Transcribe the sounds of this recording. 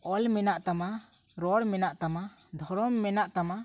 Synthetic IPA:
ɔlmɛnaʔt̪ama | ɾɔɽmɛnaʔt̪ama | d̪ʱɔɾɔmːɛnaʔt̪ama

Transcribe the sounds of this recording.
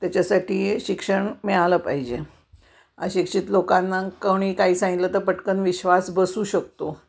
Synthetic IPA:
t̪jat͡ɕasaʈiːɕikʂəɳmɛɭaləpaɦid͡ʑe | a̰ɕikʂit̪lokanːakəɽ̃iːkaɦiːsãŋɡit̪lət̪əɾpəʈkənʋiɕʋasbəsuːɕək̚t̪o

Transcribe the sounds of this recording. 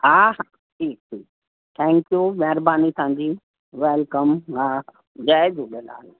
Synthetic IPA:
ɦaːha | ʈʰiːk̚ʈʰiːk | t̪ʰɛ̃ːŋkjumɛɦɾbaːnit̪ʰʊɦãːɲd͡ʑiː | ʋɛːlkəmɦaː | d͡ʒɛːd͡ʒuːɗela̰ːl

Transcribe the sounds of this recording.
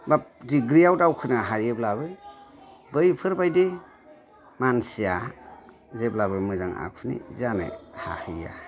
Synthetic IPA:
bap̚diɡɾiawtawkʰɯnaɦajeblaβɯ | bɯjpʰɯɾbajde | mansija | zeblabɯmɯzaŋa̰k̚ʰɯnḭzanɯ̰ha̰hɯja̰

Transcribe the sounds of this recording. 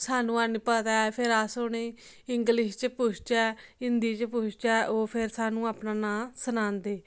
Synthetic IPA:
saːnũːaːnipət̪aːɛpʰɪɾaːsʊɽeː | ɪŋɡlɪʃt͡ʃpʊt͡ʃʰt͡ʃɛːɪnd̪iːt͡ʃpʊt͡ʃʰt͡ʃɛːʔoːpʰɪɾsaːnũːaːpnaːnãːsənãːnd̪eː

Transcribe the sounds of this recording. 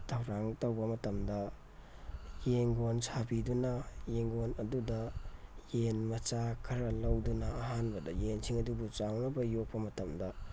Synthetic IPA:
tʰɐwɾaŋtowbɐmɐtɐmdɐ | jeŋɡonsʰabidunɐjeŋɡonɐdudɐjenmɐt͡ʃakʰɐɾɐlɐwdunɐːɦanbɐdɐjensiŋɐdubut͡ʃaŋnɐbɐjok̚pɐmɐtɐmdɐ

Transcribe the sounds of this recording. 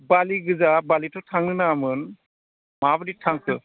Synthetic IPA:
baliɡɯzabalitʰɔtʰaŋnɯnaːmɯn | mabɯditʰaŋkʰɯ

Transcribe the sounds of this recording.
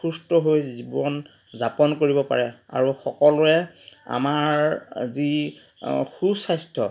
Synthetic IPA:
xustɔɦojzibɔn | zapɔnkoɹibɔpa̰ɹɛa̰ɹuxɔkɔlʊɛa̰maɹzi | xusajstʰɔ

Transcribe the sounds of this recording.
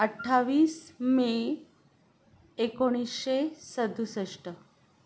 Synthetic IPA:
əʈʰːaʋiːsme | ekoɽ̃isɕesəd̪ʱusəʂʈə

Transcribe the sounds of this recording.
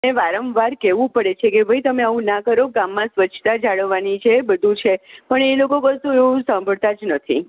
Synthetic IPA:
eʋaɾəmʋaɾkeʋũpəɽet͡ʃʰekebʱəjt̪əmeaʋũnakəɾoɡamːãsʋət͡ʃʰt̪ad͡ʒaɭəʋːanit͡ʃʰebəd̪ʱũt͡ʃʰepəɳelokokəɾsũeũsãmbʱəɭt̪ad͡ʒnət̪ʰḭ

